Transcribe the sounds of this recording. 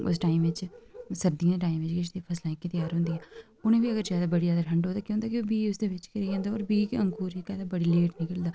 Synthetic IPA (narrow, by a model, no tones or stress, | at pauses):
ʊ̰sʈaːɪimʋɪt͡ʃsəɾd̪ĩãːd̪eːʈaːimʋɪt͡ʃkɪʃd̪eːpʰəslaːĩkːit̪ɪjaːɾɦʊ̃ːnd̪iːɦɛː | ʊnẽːbiːəɡəɾzjaːd̪aːbəɽiːzjaːd̪aːʈʰəɳɖɦoːd̪aːkjõnd̪aːkɪbiːʊsd̪eːʋɪt͡ʃkəɾiːd͡ʒãːnd̪aːɔːɾbiːkə̃ŋkuːɾekɛːd̪aːbəɽiːleːʈnɪkəld̪aː